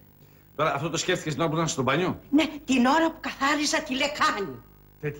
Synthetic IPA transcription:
t̪o̞ɾɐːft̪ot̪osceft̪icest̪ino̞ɐput̪ɐnst̪obɐɲonet̪ino̞ɾɐpukɐθɐɾisɐt̪ilekɐɲi | t̪et̪

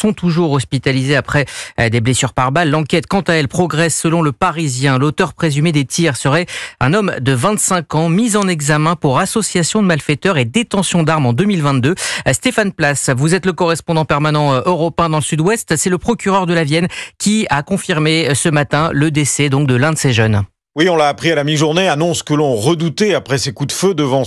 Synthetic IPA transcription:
sɔ̃t̪uʒuʁɔspit̪alizeapχɛd̪eblesyʁpaʁbalːɑ̃kʲɛt̪kɑ̃t̪aɛlpχɔɡʁɛsːəlɔ̃ləpaʁizjɛ̃lot̪œʁpχezymed̪et̪ʰiʁsəʁɛɛ̰̃nɔmd̪əvɛ̃t̪sɛ̃kɑ̃mizɑ̃nɛɡzamɛ̃puʁasɔsjasjɔ̃d̪əmalfɛt̪œʁed̪et̪ɑ̃sjɔ̃d̪aʁmɑ̃d̪ømilvɛ̃t̪d̪øst̪efanplasvuzɛt̪ləkɔʁɛspɔ̃d̪ɑ̃pɛʁmanɑ̃ʔøʁɔpɛ̃d̪ɑ̃ləsyd̪wɛst̪sɛləpχɔkʲyʁœʁd̪əlavjɛnkʲiakɔ̃fiʁmesəmat̪ɛ̃ləd̪esɛd̪ɔ̃k̚d̪əlɛ̃d̪əseʒœn | wiɔ̃laːpχialamiʒuʁneanɔ̃skəlɔ̃ʁəd̪ut̪eapχɛsekud̪fød̪əvɑ̃

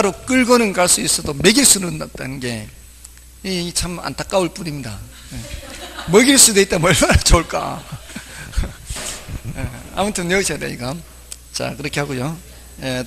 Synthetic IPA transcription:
aɾok͈ɯɭɡʌnɯnkaɭs͈uis͈ʌdome̞ɡiɭs͈unɯnːat̚t͈a̰nɯnɡe̞ | it͡ɕʰama̰ntʰak͈auɭp͈unimɲida | emʌɡiɭs͈udwe̞it͈ameɭmaɾat͡ɕouɭk͈a̰ | ea̰mutʰɯnːeusʰanḛiɡa | t͡ɕa̰kɯɾʌkʰe̞haɡojo | e

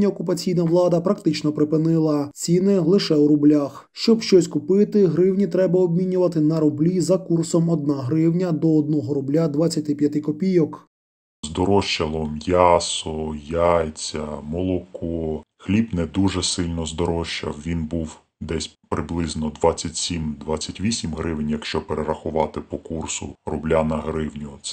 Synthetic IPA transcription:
nʲɐɔkʊpɐt͡sʲijnɐʋlˠɑd̪ɐpɾɐkt̪ɪt͡ʃnɔpɾɪpɪnɪlˠɐt͡sʲinɪlˠɪʃɛwɾʊblʲax | ʃt͡ʃɔbʃt͡ʃɔsʲkʊpɪt̪ɪɦɾɪwnʲit̪ɾɛbɐɔb̚ʲmʲinʲʊʋɐt̪ɪnɐɾʊblʲizɐkursɔmɔd̪̚naɦɾɪwnʲɐd̪ɔːd̪̚nɔɦɔɾʊblʲad̪ʋɐt͡sʲːɐt̪ʲɪpʲjɐt̪ɪkɔpʲijɔk | zd̪ɔɾɔʃt͡ʃɐlˠɔmjasɔjajt͡sʲɐmɔlˠɔkɔxlʲibnɛd̪uʒɛsɪlʲnɔzd̪ɔɾɔʃt͡ʃɐ̰wʋʲinbuw | d̪ɛsʲpɾɪblˠɪznɔd̪ʋɑt͡sʲːɐtʲsʲimd̪ʋat͡sʲːɐtʲʋʲisʲimɦɾɪʋɪnʲjɐkʃt͡ʃɔpeɾeɾɐxʊʋɑt̪ɪpɔkursʊ̰rʊblʲanɐɦɾɪwnʲʊ

